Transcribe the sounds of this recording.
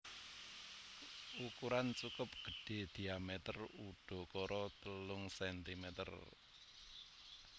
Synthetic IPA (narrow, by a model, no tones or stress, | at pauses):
ukuɾant͡ʃukʊp̚ɡ̥ə̤ɖ̥e̤d̪̥i̤amɛt̪əruɖ̥ɔ̤kɔɾɔt̪əlʊŋsɛnt̪imɛt̪ə̰r